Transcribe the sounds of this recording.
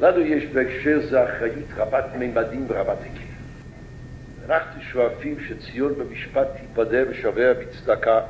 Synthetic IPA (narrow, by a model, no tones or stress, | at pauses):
lanujɛʃbəɛkʃɛɾzeaχɾajitʁamatmejmadimbəʁamatakʰil | anaχtuʃoafimʃɛt͡sijɔnbəmiʃpathipadɛvəʃavɛabit͡sd̪aka